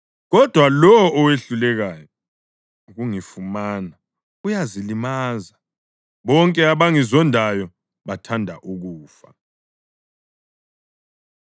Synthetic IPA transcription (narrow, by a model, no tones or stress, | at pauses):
ɣɔd̥ʱwalɔwɔʔɔweɬulɛɣaːjɔ | uɣuŋifumaːna | ujazilimaːza | βɔŋkʼɛaβaŋizɔndʱajɔ | βatʰandʱaʔuɣuːfa̰